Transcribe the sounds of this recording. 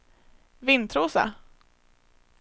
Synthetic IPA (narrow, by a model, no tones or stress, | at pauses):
vɪnt̪ʰɾuːsa̰